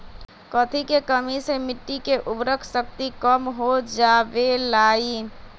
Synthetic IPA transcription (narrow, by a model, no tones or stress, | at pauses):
kɔt̪ʰikekəmisemɪʈːikeʔʊbɾəkʰsəkt̪ikəmɦod͡ʒaːʋelaːiː